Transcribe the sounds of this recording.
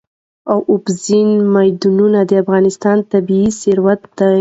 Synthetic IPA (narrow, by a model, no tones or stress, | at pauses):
awʔʊbzinmajd̪ununad̪əafɣɑnɪst̪ɑnt̪abiisɪɾwat̪ːa